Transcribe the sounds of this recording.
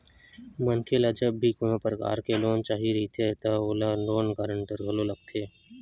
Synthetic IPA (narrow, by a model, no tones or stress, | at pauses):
mənkʰelad͡ʒəbːikʊnãpəɾəka̰ːɾkeloːnt͡ʃaːɦiɾɐɦit̪ʰet̪oolanoːnkaːɾəɳʈəɾɦololɐɡ̚t̪ʰeː